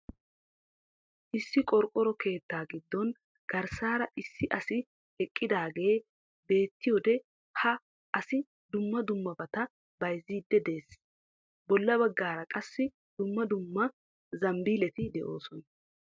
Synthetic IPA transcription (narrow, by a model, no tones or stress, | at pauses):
ʔɪsːɪkʼɔɾkʼːɔɾɔke̞ːt̪ːaːɡɪd̪ːɔn | ɡ̥ɐɾsaːɾɐʔɪsːɪʔɐsɪ | hɛkʼːɪd̪aːɡe̞ː | be̞ːt̪ːɪjɔd̪ɛ | hɐ | ʔɐsɪ | d̪ʊmːɐd̪ʊmːɐbɐt̪ɐ | bɐjziːd̪ːɛd̪eːs | bɔlːɐbɐɡːaːɾɐkʼɐsːɪ | d̪̥ʊmːɐd̪ʊmːɐ | zɐmbiːlɛt̪ɪd̪ɛʔo̞̰ːsɔnɐ